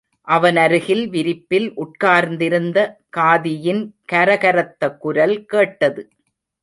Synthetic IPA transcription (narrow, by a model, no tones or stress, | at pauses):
ʔɐʋɐnɐɾɯɣɪlʋɪɾɪpːɪlʔʊʈ̚kaːɾnd̪ɪɾɯnd̪ɐkaːðɪjɪnkɐɾɐɣɐɾɐt̪ːɐkːʊɾɐlkeːʈːɐðɯ